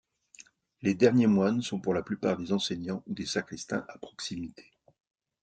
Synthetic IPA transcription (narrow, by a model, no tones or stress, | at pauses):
led̪ɛʁnjemwansɔ̃puʁlaplypa̰ʁd̪ezɑ̃sɛɲɑ̃ud̪esakχist̪ɛ̰̃ʔapχɔ̥ksimit̪ʰe̥